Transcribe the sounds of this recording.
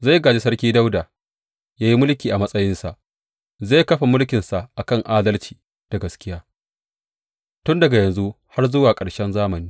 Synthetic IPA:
za˦˨jɡaː˨d͡ʒi˦sɐ˦rkʲiː˦da˦wdaː˨ | jaː˦ji˦mʊ˦lkʲiː˨ʔa˨mɐ˦sʼɐ˦jɪ˦nsa˨ʔ | za˦˨jkɐ˦ɸa˨mʊ˦lkʲɪ˨nsa˨ʔa˨kɐ˦ŋʔaː˦dɐ˦lt͡ʃi̥ː˨ | d̥a˨ɡɐ˦skʲɪ˦jaː˦ | tʊ˦ndɐ˨ɡa˨jɐ˨nzu˦ | ha˦rzʊ˦waː˨kʼɐ˨ɽʃɛ˦nzaː˦mɐ˨niː˦

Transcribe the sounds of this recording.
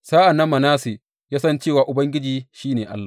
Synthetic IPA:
saː˦ʔa˨nːɐ˦mːɐ˨naː˦se˨ | jaː˦sɐ˦nt͡ʃeː˦˨waː˨ʔʊ˨bɐ˦ŋɡʲɪ˦d͡ʒiː˨ʃiː˦neː˨ʔa̰˦lːa˨

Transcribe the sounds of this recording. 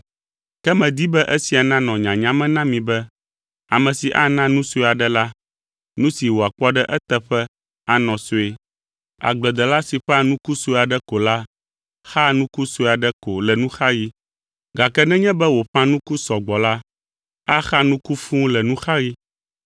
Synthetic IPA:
kɛ˦mɛ̃˨d̪i˦bɛ˦ʔɛ˦si˨a˨nã˦nɔ̃˨ɲã˨ɲã˦mɛ̃˦nã˦mĩ˨bɛ˦ | a˨mɛ̃˨si˨ʔa˦nã˦nũ˦so˦˨a˨ɖɛ˦la˦ | nũ˦si˨wo˨a˨k͡pɔ˦ɖɛ˦ʔɛ˦t̪ɛ˨ɸɛ˦ | a˦nɔ̃˨so˦e˦ | a̰˨ɡ͡blɛ˨d̪ɛ˨la˦si˨ɸɛ˦a˦nũ˦ku˦so˦˨a˨ɖɛ˦ko˨la˦ | xa˦nũ˦ku˦so˦˨a˨ɖɛ˦ko˨lɛ˨nũ˦xa˦ɣi˦ | ɡa˨kɛ˦nɛ̃˦ɲɛ̃˦bɛ˦wo˨ɸã˦nũ˦ku˦sɔ˨ɡ͡bɔ˨la˦ | a˦xa˦nũ˦ku˦fũ˦lɛ˨nũ˦xa˦ɣi˦

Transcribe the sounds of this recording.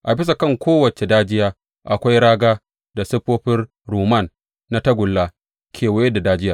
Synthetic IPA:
ʔa˨bɪ˦s̬a˨kɐ˦˨ŋkʷoː˦wɐ˨t͡ʃe˨daː˦d͡ʒɪ˦jaː˦ | ʔa˨kʷa˦jɽaː˦ɡaː˦ | da˨sɪ˦ɸoː˦ɸɪ˦r | ɾuː˨ma˦˨nː | a˦tɐ˦ɡʷʊ˨lːaː˦ | kʲʰeː˨wɐ˦je˦da˨daː˦d͡ʒɪ˦jaː˨

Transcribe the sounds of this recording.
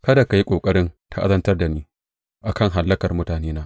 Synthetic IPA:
kɐ˦da˨ka˨ji˦kʷʼoː˨kʼɐ˦ɽɪ˦ntʰa˦ʔa̰˦zɐ˦ntɐ˦rda˨niː˦ | ʔa˨kɐ˦˨ŋɦa˨lːɐ˦kɐ˨rmʊ˦taː˨neː˦naː˦ʔ

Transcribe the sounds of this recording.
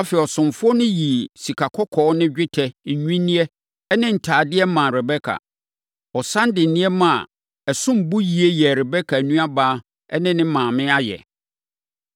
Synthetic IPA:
a˦fɛ˨ɔ˨sʊ̃˨mfʊ˦ɔ˦nʊ̃˦ji˨si˨kʰa˨kʰɔ˦kʰɔː˨˦nɪ̃˦d͡ʑᶣɪ˦tʰɛ˨ɲ̩˨ɲᶣĩ˦nɪ̃˦ɛ˦ | ɛ˦nɪ̃˦n̩˨tʰaː˨dɪ˦ɛ˦mã˨ɾɛ˨bɛ˦kʰa̰˨ | ɔ˨sã˦n˦dɪ˨n̩˨nɪ̃˦ɛ˦mã˨ | ɛ˨sʊ̃˦m˨bu˦ji˨e˦jɛ˨ɾɛ˨bɛ˦kʰa˨nũ˦a˦baː˦ | ɛ˦nɪ̃˦nɪ̃˦mãː˨mɪ̃˦a˦jɛ̰˨

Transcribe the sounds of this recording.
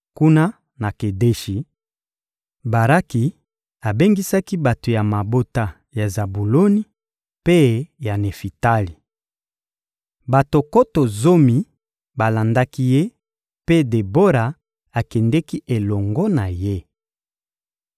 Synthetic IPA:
ku˦na˦ | na˨ke˨de˦ʃi˨ | ba˨ɾa˦ki˨ | a˨be˦ŋɡi˦sa˦ki˦ba˨to˨ja˨ma˨bo˦ta˦ | ja˨za˨bu˨lo˦ni˨˦ | pe˦ja˨ne˨fi˨ta˦li˨ | ba˨to˨ko˦to˨zo˦mi˨ | ba˨la˨nda˦ki˦je˦ | pe˦de˨bo˦ɾa˨ | a˨kɛ˨ndɛ˦ki˦ʔe˨lɔ˨ŋɡɔ˦na˨je˦

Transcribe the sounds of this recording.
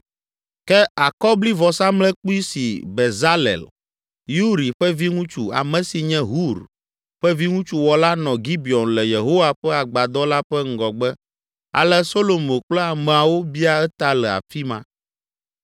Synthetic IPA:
kɛ˦a˨kɔ˦bli˦vɔ˨sa˦mlɛ˦k͡pu˦i˦sḭ˨bɛ˨za˦lɛ̰˨l | ju˦ɾi˨ɸɛ˦vi˦ŋũ˦t͡ʃu˦a̰˨mɛ̃˨si˨ɲɛ̃˦ɦu˦ɾ | ɸɛ˦vi˦ŋũ˦t͡ʃu˦wɔ˨la˦nɔ̃˨ɡi˦bi˨ɔ˨nlɛ˨je˨ɦo˦wa˨ɸɛ˦a˨ɡ͡ba˨d̪ɔ˦la˦ɸɛ˦ŋ̩˦ɡɔ˨ɡ͡bɛ˦ | a̰˨lɛ˦so˦lo˨mõ˨k͡plɛ˦a˨mɛ̃˨a˨wo˦bi˦a˨ɛ˦t̪a˦lɛ˨a̰˨fi˦mã̰˦

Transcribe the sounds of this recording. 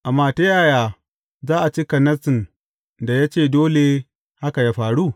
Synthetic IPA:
ʔa˨mːaː˨ta˦jaː˦˨jaː˨ | zaː˦ʔa˨t͡ʃi˦kɐ˨nɐ˦sɪ˨n | da˨ja˦t͡ʃeː˦˨doː˦le˨ | ha˦ka˨jaː˦ɸaː˨ɽu˦

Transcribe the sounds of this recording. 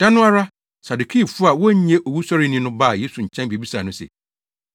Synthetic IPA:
d̥ã˦nʊ̃˦a˦ɾa˦ | sa˨du˨kʰi˦˨fʊ˦a˨wɔ˦ɲ̩˦ɲɛ̃˦ʔo˨wu˦sɔ˦ɾɪ˦nĩ˦nʊ̃˦ba˦˨je˦su˨ɲ̩˨t͡ɕʰɛ̃˦nbe˨bi˦saː˨nʊ̃˦sɛ̰˨

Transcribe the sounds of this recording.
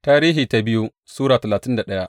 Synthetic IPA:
taː˦ɾiː˦ɦiː˨ta˦bɪ˦ju˦ | suː˦ɽaː˨tɐ˨laː˨tɪ˦nda˨ɗɐ˦ja˦ʔ

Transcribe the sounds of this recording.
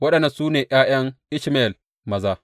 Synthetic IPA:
wɐ˦ɗɐ˨nːɐ˨nsuː˦neː˨j̰aː˦j̰ɐ˦ŋʔɪ˦ʃme˦˨l | mɐ˨zaː˦

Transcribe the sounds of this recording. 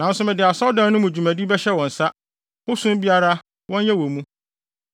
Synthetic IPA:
nã˨n˦sʊ˦mɛ̃˨dɪ˨a˨sɔ˦wdã˦n˦nʊ̃˦mũ˨d͡ʑu˨mæ̃˨di˦bɛ˦ɕɛ˦wɔ̃˨n̩˨sa˦ | hʊ˦sʊ̃˦m˦bi˦a˦ɾa˦ | wɔ̃˦n˦jɛ˦wɔ̃˨mũ˦

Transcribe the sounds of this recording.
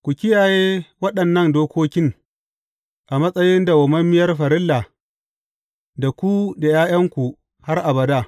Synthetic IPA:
kʷu˨kʲɪ˦jaː˨jeː˦wɐ˦ɗɐ˨nːɐ˦˨ndoː˦kʷoː˦kʲɪ˦ŋ | ʔa˨mɐ˦sʼɐ˦jɪ˦nda˨wɐ˨mɐ˦mːɪ˦jɐ˦rɸɐ˨ɾɪ˦lːa˨ | da˨kʷu˦da˨jaː˦j̰ɐ˦ŋkʷu˨ | ha˦rʔa˨bɐ˨daː˦

